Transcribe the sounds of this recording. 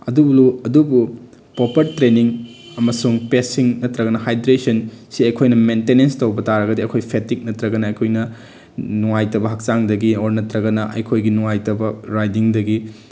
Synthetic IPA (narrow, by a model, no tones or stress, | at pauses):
ɐ̰dubluɐdubu | popɐɾtɾeniŋ | ɐmɐsuŋpesiŋnɐtɾɐɡɐnɐhajdɾesɐnsiɐkʰojnɐmentenenstɐwbɐtaɾɐɡɐdiɐkʰojpʰetik̚nɐtɾɐɡɐnɐɐjkʰojnɐ | nuŋajtɐbɐɦɐk̚saŋdɐɡioɾnɐtɾɐɡɐnɐʔɐ̰jkʰojɡinuŋajtɐbɐɾajdiŋdɐɡi